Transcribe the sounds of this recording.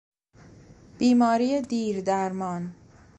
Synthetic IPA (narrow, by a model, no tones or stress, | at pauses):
b̥iːmɒːɾijed̪iːɾd̪æɾmɒːn